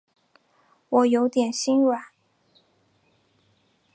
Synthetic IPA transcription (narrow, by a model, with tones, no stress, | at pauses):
wɔ˨˩jo˧˥ʊt̪jɛ˨˩nɕi˥nwa˨˩˦